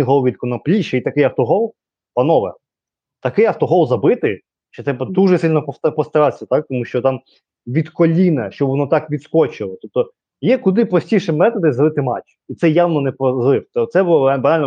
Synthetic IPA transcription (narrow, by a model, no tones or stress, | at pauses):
ɪɦɔlˠɔʋʲid̪̚kɔnɔplʲiʃɐit̪ɐkɪjɐwt̪ɔɦɔlˠ | pɐnɔʋɐ̰ | t̪ɐkɪjɐwt̪ɔɦɔlˠzɐbɪt̪ɪ | ʃt͡ʃɔt̪ɾɛpɐd̪uʒɛsɪlʲnɔpɔpɔst̪ɐɾɑsʲɐt̪ɑk̚t̪ɔmuʃt͡ʃɔt̪ɑm | ʋʲid̪kɔlʲinɐʃt͡ʃɔbʋɔnɔt̪ɑkʋʲid̪skɔt͡ʃɪlˠɔt̪ɔp̚t̪ɔ | jɛkʊd̪ɪpɾɔsʲtʲiʃɪmɛt̪ɔd̪ɪzɐlˠɪt̪ɪmɑ̰t͡ʃː | it̪sɛjawnɔnɛpɔzlˠɪw̪ɔt̪sɛbʊlˠɔbɐnalʲnɔ